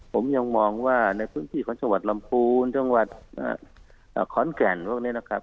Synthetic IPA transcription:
pʰo˩˦mja˧ŋmɔː˧ŋwaː˥˩na˧jpʰɯː˦˥˨nt̪ʰiː˧˩kʰɔː˨˦ŋt͡ɕa˧ŋwa˨˩t̪̚la˧mpʰuː˧nt͡ɕa˧ŋwa˨˩t̪̚ʔa̰ː˧˩ | ʔːkʰɔː˨˩˦nkɛː˨˩nbɔː˧˩k̚niː˦˧˥na˧˥˩kʰa˦˥p̚

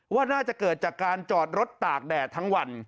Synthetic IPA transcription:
waː˥˩naː˥˩t͡ɕa˨˩kɤː˨˩t̪̚t͡ɕaː˨˩kːaː˧nt͡ɕɔː˨˩t̪̚ɾo˦˥t̪ːaː˨˩k̚dɛː˨˩t̪ʰa˦˥ŋwa˧n

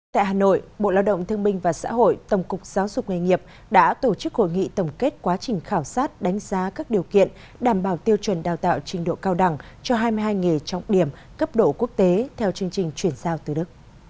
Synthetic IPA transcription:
t̪a̰ː˧˨jɦaː˨˩no̰˧˨jɓo̰˧˨laː˧wɗə̰˧˨ŋ͡mt̪ʰɨ˧əŋɓï˧ŋ̟vaː˨˩sa̰ː˧˥ɦo̰˧˨jt̪ə˨˩wŋ͡mkʊ˨˩k͡p̚z̥aː˨˦wzʊ˨˩k͡p̚ŋa˧jŋi˨˩əp̚ | ɗa̰ː˧˥t̪o˧˩t͡ɕɨ˦˥k̚ho̰˧˨jŋḭ˧˨t̪ə˨˩ŋ͡mke˦˥t̚kwaː˨˦t͡ɕï˨˩ŋ̟xaː˧˩wsaː˦˥t̚ɗa˨˦ŋ̟z̥aː˨˦kaː˦˥k̚ɗi˨˩əwkḭ˧˨ən | ɗaː˧˩mɓaː˧˩wt̪i˧əwt͡ɕwə˨˩nɗaː˨˩wt̪a̰ː˧˨wt͡ɕï˧˩ŋ̟ɗo̰˧˨kaː˧wɗa˧˩ŋ | t͡ɕɔ˧ɦaː˧jmɨ˧jɦaː˧jŋe˨˩t͡ɕɔ˧wŋ͡mɗi˨˩əm | kə˦˥p̚ɗo̰˧˨ku˦˥ək̚t̪e˨˦t̪ʰɛ˧wt͡ɕɨ˧əŋt͡ɕï˨˩ŋ̟t͡ɕwi˧˩ənzaː˧wt̪ɨ˨˩ɗɨ˦˥k̚

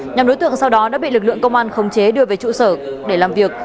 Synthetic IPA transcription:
ɲa˨˩mɗo˨˦jt̪ɨ̰˧˨əŋsa˧wɗɔ˨˦ɗa̰ː˧˥ɓḭ˧˨lɨ˨˩k̚lɨ̰˧˨əŋkə˧wŋ͡mʔaː˧nxə˨˩wŋ͡mt͡ɕe˨˦ɗɨ˧əve˨˩jt͡ɕṵ˧˨səː˧˩ɗe˧˩laː˨˩mvi˨˩ək̚

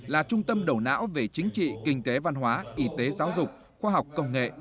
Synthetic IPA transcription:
laː˨˩t͡ɕʊ˧ŋ͡mt̪ə˧mɗo˧˩na̰ː˧˥wve˨˩t͡ɕï˨˦ŋ̟t͡ɕḭ˧˨kï˧˩ŋ̟t̪e˨˦va˧nɦwaː˨˦ʔi˧˩t̪e˨˦zaː˨˦wzʊ˨˩k͡p̚ | xwaː˧ɦa˨˩wk͡p̚kə˧wŋ͡mŋḛ˧˨ʔ

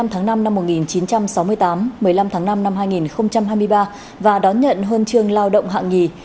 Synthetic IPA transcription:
a˧mt̪ʰaː˨˦ŋna˧mna˧mːo˨˩t̚ŋi˨˩nt͡ɕi˨˦nt͡ɕa˧msa˨˦wmɨ˧əjt̪aː˨˦mːɨ˨˩əjla˧mt̪ʰaː˨˦ŋna˧mna˧mɦaː˧jŋi˨˩nxə˧wŋ͡mt͡ɕa˧mɦaː˧jmɨ˧əjɓaː˧ | vaː˨˩ɗɔ˨˦nɲə̰˧˨nɦəː˧nt͡ɕɨ˧əŋlaː˧wɗə̰˧˨wŋ͡mɦa̰ː˧˨ŋi˨˩

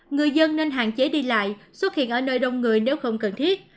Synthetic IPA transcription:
ŋɨ˨˩əjzə˧nːe˧nɦa̰ː˧˨ŋt͡ɕe˨˦ɗi˧la̰ː˧˨jswə˦˥t̚hḭ˧˨ənʔəː˧˩nəː˧jɗə˧wŋ͡mŋɨ˨˩əjne˨˦wxə˧wŋ͡mkə˨˩nt̪ʰi˦˥ət̚

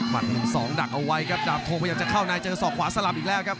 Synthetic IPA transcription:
ma˨˩t̪̚ːu˨˩ŋsɔː˩˦ŋda˨˩k̚ʔa˧wa˦˥jkʰa˦˥p̚daː˨˩p̚t̪ʰoː˧pʰa˥˩jaː˧˩t͡ɕa˨˩kʰaː˥˩wnaː˧jt͡ɕɤː˧sɔː˨˩kʰwaː˨˦sa˧la˨˩p̚ʔiː˨˩lɛː˥˩wkʰa˦˥p̚

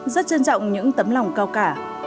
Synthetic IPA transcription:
zə˦˥t̚t͡ɕə˧nt͡ɕɔ̰˧˨wŋ͡mɲɨ̰˧˥ŋt̪ə˨˦mla˨˩wŋ͡mkaː˧wkaː˧˩

